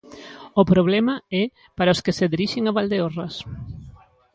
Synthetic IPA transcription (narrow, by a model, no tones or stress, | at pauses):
ʊpɾoβ̞lɛmɐɛ | paɾaʊskeseðiɾiʃeŋaβald̪eorɐs